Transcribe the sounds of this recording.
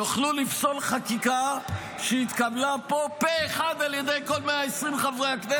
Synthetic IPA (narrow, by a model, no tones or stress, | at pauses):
juχlulifso̞lχakika | ʃeit̪kablapo̞peːχad̪aljed̪ejko̞lmeaesʁimχavʁeakde